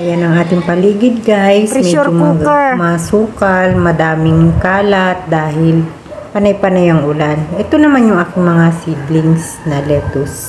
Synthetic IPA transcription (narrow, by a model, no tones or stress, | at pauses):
ajanɐŋʔaːt̪ɪŋpɐliːɡɪd̪̚ɡajsmɛd͡ʒomɐɡmɐsuːkɐlmɐd̪aːmɪŋkaːlɐt̪̚d̪aːhɪl | pɐnɐjpɐnajɐŋʔʊlanʔɛt̪onɐmanjʊŋʔaːkɪŋmɐŋasiblɪŋs | nɐlɛːt̪os